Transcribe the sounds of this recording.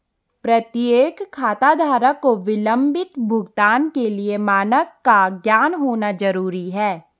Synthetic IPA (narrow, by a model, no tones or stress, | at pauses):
pɾɐt̪jeːkʰːaːt̪aːd̪ʱaːɾəkːoʋɪlə̃mbɪt̪bʱʊɡt̪aːnkeliemaːnəkːaɡjaːnɦoːnad͡ʒɐɾuːɾiɦɛː